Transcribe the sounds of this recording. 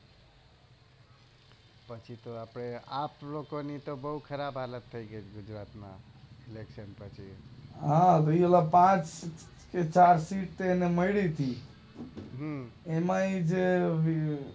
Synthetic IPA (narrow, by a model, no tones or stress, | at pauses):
pət͡ʃʰit̪oapneaplokonit̪obəɦukʰəɾabʱɦalət̪ʰːəjɡəjt͡ʃʰɡud͡ʒɾat̪ma̰ | ileksənpət͡ʃʰiɦãt̪ɔielapãt͡ʃ | ket͡ʃaɾsiʈ̚t̪eeneməjɽit̪ʰi | ɦemaid͡ʒe